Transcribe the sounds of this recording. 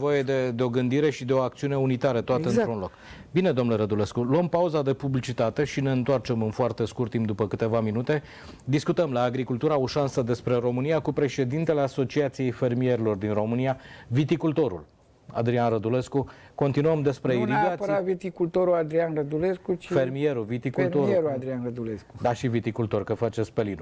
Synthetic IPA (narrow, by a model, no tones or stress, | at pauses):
vo̞jed̪e̞d̪eo̞ɡɨnd̪iɾe̞ʃid̪eo̞ak̚t̪siune̞unit̪aɾət̪oat̪eɨnɾunlo̞k | bine̞d̪omnleɾəd̪ule̞skuluəmpauzad̪e̞publit͡ʃit̪at̪e̞ʃine̞ɨnt̪oart͡ʃe̞mɨnfoart̪e̞skurt̪ːimpd̪upəkɨt̪e̞vaminut̪e̞ | d̪iskut̪əmlaːɡɾikult̪uɾaoʃansəd̪e̞spɾe̞ɾo̞mɨniakupɾe̞ʃe̞d̪int̪e̞le̞aso̞t͡ʃiat̪sije̞jfe̞rmie̞ɾelo̞rd̪inro̞mɨnijavit̪ikult̪o̞ɾṵl | a̰d̪ɾianrəd̪ule̞skuko̞nt̪inuəmd̪e̞spɾeiɾiɡapɾavit̪ikult̪oɾuad̪ɾianɾəd̪uleskut͡ʃfermie̞ɾuvit̪ikult̪oɾeɾuad̪ɾianrəd̪uleskud̪aʃivit̪ikult̪o̞rkəfat͡ʃe̞spe̞linu